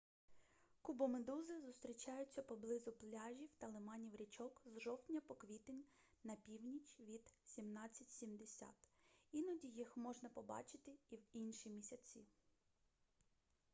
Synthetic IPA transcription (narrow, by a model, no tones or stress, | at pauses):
kubɔmed̪uzɪzʊst̪ɾʲit͡ʃɑjʊt͡sʲːɐpɔblˠɪzʊplʲaʒʲiwt̪ɐlˠɪmɑnʲiwɾʲit͡ʃɔkzʒɔwt̪ʲnʲɐpɔkʋʲit̪enʲ | nɐpʲiwnʲit͡ʃʲʋʲid̪̥sʲimnɑt͡sʲːɐtʲsʲimd̪esʲa̰t̪inɔdʲijixmɔʒnɐpɔbɑ̰t͡ʃɪt̪ɪiwinʃimʲisʲɐt͡sʲi